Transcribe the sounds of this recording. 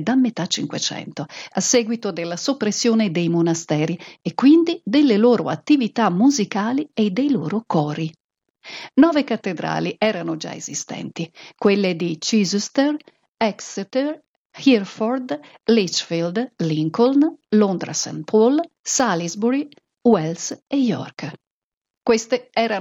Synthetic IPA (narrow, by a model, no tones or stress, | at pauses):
d̪amːet̪at͡ʃːiŋkwḛt͡ʃɛ̰nt̪oasːɛɡwit̪od̪elːasopːɾesːjoːned̪ejmonast̪ɛːɾiekːwind̪id̪elːeloːɾoa̰t̪ːivit̪amːuzikaːlied̪ejloːɾokɔːɾi | nɔːvekat̪ːed̪ɾa̰ːliʔɛːɾanod͡ʒa̰ḛzist̪ɛ̰nt̪ikwelːed̪it͡ʃizst̪er | ɛkst̪er | hirfɔrd̪ | lit͡ʃfild̪liŋkolnlond̪ɾa̰sa̰npʰɔl | salizbuɾɡ | wɛlsejɔ̰rk | kwest̪eɛːɾa